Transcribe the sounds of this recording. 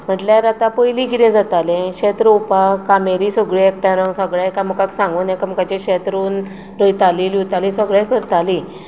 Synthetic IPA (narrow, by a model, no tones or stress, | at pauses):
m̤əʈlaɾat̪apəjlikit̪ɛ̃d͡zat̪alẽɕɛt̪ɾəupakameɾisəɡɭiɛk̚ʈãɾə̃ŋɡsəɡɭãjkam̤ukaksãŋɡuːnɛkam̤ukat͡ɕeɕɛt̪ɾuːn | ɾəjt̪alilut̪alĩsəɡɭãkəɾt̪ali